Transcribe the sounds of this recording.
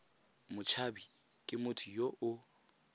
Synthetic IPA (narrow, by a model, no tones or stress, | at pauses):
mʊt͡ʃʰabi | kʼɪmʊtʰʊjoʔʊ